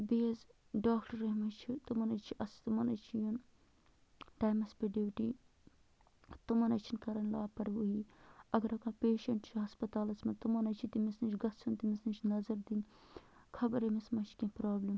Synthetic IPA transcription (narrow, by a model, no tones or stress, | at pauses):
beːz | ɖaːkʈɐɾɐɦmɐt͡ʃʰit̪umɐnɐt͡ʃʰiʔɐst̪umɐnɐt͡ʃʰijun | t̪aːmɐspʲeɖiːwʈiː | t̪umɐnɐt͡ʃʰinkɐɾɐnʲlaːpɐɾʋuɦiːɐɡɐɾɐkãːpeːʃɐɳʈt͡ʃʰiɦɐspɐt̪aːlɐt͡sʰmɐt̪umɐnɐt͡ʃʰit̪imisnɐt͡ʃʰɡɐt͡sʰunt̪imisnɐt͡ʃʰnɐzɐɾd̪in | kʰɐbɐɾemismɐt͡ʃʰi̥kʲẽːpɾaːblɐm